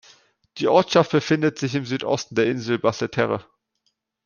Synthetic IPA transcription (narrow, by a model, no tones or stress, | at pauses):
d̥iːʔɔɐtʃaft̚b̥əfɪndətz̥ɪçɪmzyːtʔɔ̰stn̩deːɐʔɪnzl̩basətʰɛʁə̰